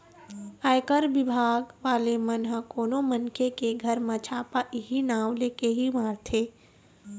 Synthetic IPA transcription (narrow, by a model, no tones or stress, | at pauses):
aːjkəɾbɪbʱaːɡʋaːlemənɦə̃koːnomənkʰekeɡʱəɾmãt͡ʃʰaːpaʔɪɦinaːʋleːkeɦimaːɾt̪ʰeː